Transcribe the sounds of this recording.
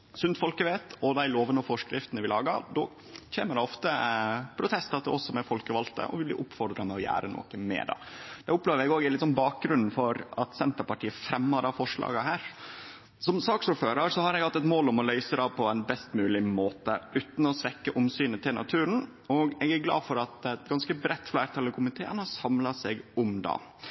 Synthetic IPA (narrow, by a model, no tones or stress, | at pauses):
sʉnt̪fɔlkəʋeːt̪ɔd̪æɪloːʋənɔfɔʂkɾɪft̪ənəʋɪlɑːɡɑ̰ɾd̪o̰ː | çʰeːməɖɛɔft̪əpʰɾʊt̪ʰɛst̪ɑt̪ʰɪɔsɔmɛfɔlkəʋɑlt̪ə̰ʔɔ̰ʋɪblḭːʔʊpfɔɾd̪ɾɑmɛɔjæ̰ːɾəno̰ːkəmɛ̰d̪ɑ̰d̪̥ɛʊpleːʋəɾɛɡoːɡælɪt̪ːsɔnbɑːk̚ɡɾʉnːn̩fɔɾɑt̪sɛnt̪əɾpɑʈʰiːəfɾɛmːəd̪ɑːfɔʂɭɑ̰ːɡəɦæːɾ | sɔmsɑːksuføːɾɑɾsɔhɑɾɛɡhɑt̪ːɛt̪moːlʊmɔlœʏsəd̪ɑpʰɔɛnbɛst̪mʉːlɪmoːt̪əʔʉːt̪n̩ɔsʋɛkːəʔʊmsyːnət̪ɪlnɑ̰t̪ʰʉːɾən̩ | ɔɡɛɡæɾɡlɑ̰ːd̪fɔɾɑt̪ɛt̪ɡɑnskəbɾɛt̪ːflæɪɾt̪ʰɑːləkʰʊmɪt̪ʰeːənhɑsɑmlɑsɛɡʊmd̪ɑ̰ː